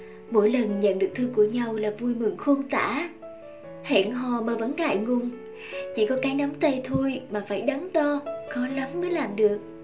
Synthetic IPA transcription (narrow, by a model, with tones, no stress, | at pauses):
mo̰˧˥jlə˨˩nɲə̰˧˨nɗɨ˨˩ək̚t̪ʰɨ˧ku˧˩əɲa˧wlaː˨˩vu˧jmɨ˧˩ŋxo˧nt̪a̰ː˧˩ | hḛ˧˩˨nɦɔ˨˩maː˨˩və̰˧˥nka̰ː˧˨jŋʊ˨˩ŋ͡m | t͡ɕi˧˩kɔ˨˦kaː˨˦jnə˨˦mt̪ə˧˩t̪ʰo˧jmaː˨˩faː˧˩jɗə˨˦ŋɗɔ˧kɔ˨˦lə˨˦mːəː˨˦jlaː˨˩mɗɨ˨˩ək̚